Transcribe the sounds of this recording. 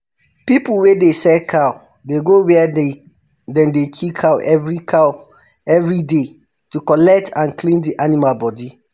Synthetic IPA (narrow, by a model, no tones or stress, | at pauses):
pipuwedesɛkʰaʊ | deɡowɛɛde | dɛ̃ndekʰikʰaʊʔɛvɹikʰaʊ | ɛvɹide | tukɔlɛk̚tʰãnklĩndiʔanimalbɔdi